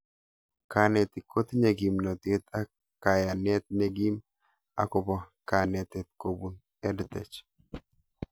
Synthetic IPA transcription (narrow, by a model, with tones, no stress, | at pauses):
ka˨ne˨t̪ɪ˨kːo˦t̪ne˨ɡi˨mno˨t̪e˦t̪a˦ | kːa˨ja˨nːe˦t̪̚nɛɡi˦m | ɐ̰˦kɔ˨bɔ˨ka˨net̪ɛt̪̚ko˨bun | ɛ˦dt̪ɛt͡ʃ